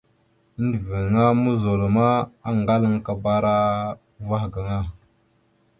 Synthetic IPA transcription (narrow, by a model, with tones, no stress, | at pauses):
də˨və˨n˨ŋa˦mu˦zo˨lo˨ma˦a˦ŋɡa˦lə˦ŋka˨ba˦ɾa˦ | va˦hɡa˨ŋa˦